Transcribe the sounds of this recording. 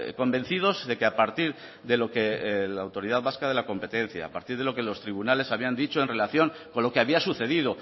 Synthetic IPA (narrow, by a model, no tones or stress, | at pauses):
ko̞mbe̞n̟θið̞o̞zðe̞keapaɾt̪iɾ | ðe̞lo̞kelaːwt̪o̞ɾiðaðβaskaðe̞lako̞mpe̞t̪ẽ̞n̟θja̰ːpa̰ɾt̪iɾð̞elo̞ke̞lo̞st̪ɾiβ̞unale̞saβ̞iand̪it͡ʃo̞e̞nre̞laθjo̞ŋko̞nlo̞keaβiasuθe̞ðið̞o̞